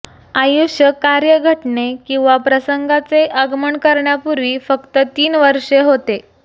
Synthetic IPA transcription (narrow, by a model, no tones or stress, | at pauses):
ajuɕjəkːaɾjəɡʱəʈɳekĩw̃ʋapɾəsəŋɡat͡seʔəɡməɳkəɾɳjapuɾʋiːfəkt̪ət̪iːnʋəɾʂeɦot̪e